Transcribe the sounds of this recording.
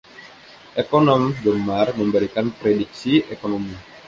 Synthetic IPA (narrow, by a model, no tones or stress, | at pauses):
ʔekonɔmdɔmarməmbəɾikanpɾedik̚siʔekonomi